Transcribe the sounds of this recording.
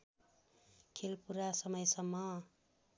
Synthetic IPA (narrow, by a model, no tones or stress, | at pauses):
kʰelpuɾasʌmʌjsʌmːʌ